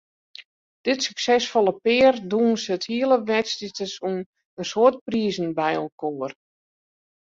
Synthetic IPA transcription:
d̥ɪtsyksɛsfolˠəpɪːrduənsəthiələʋɛtstitəsun | ənsoərt̚priəzən̩bɛjɔlˠkoːər

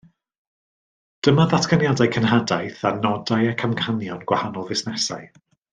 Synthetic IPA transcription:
d̥əmaðatʰkʰanjadajkʰənɦadajθanɔdajakʰamkʰanjɔnɡ̥wahanɔlˠvɪsnɛsa̰j

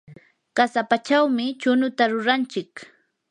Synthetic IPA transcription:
kasapat͡ʃawmɪt͡ʃʊnʊt̪aɾʊɾant͡ʃɪk

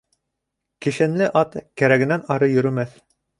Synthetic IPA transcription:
kĭʃɘ̆nlɘʔɑt̪kæɾæɡɘ̆nænɑɾɤjɵ̆ɾɵ̆mæθ

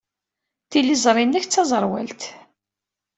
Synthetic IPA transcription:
θilizˤɾˤinːæçt͡sːɑzˤəɾˤwæ̰lt̪

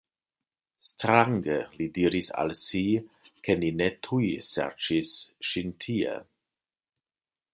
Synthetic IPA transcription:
stɾaŋɡelidiɾisa̰lsikʰeninetʰujsɛ̰ɾt͡ʃisʃintʰiḛ

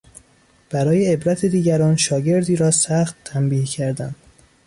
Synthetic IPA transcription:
b̥æɾɒːjeːbɾæt̪ʰed̪iːɡɟæɾɒːnʃɒːɟe̞ɾd̪iːɾɒːsæχt̪ʰːæmbiːhcʰæɾd̪ænd̪

